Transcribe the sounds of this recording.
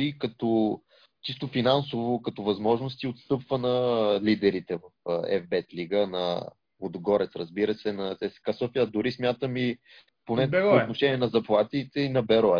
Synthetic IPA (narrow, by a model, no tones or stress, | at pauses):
ikɐt̪ɔ | t͡ʃist̪ʊfinansʊvokɐt̪ɔvɐzmɔʒnost̪iot̪st̪ɤpvənɐlid̪ɛɾit̪ɛvɐfɛ̰vbɛt̪liɡənɐ | od̪ɡɔɾɛt̪sɾəzbiɾəsɛnɐt̪ɛsɛ̥kasɔfiɐd̪ʊɾismʲjat̪əmi | ponɛoːt̪noʃɛnʲiɛnɐzɐplˠat̪it̪ɛinɐbɛɾɔɛ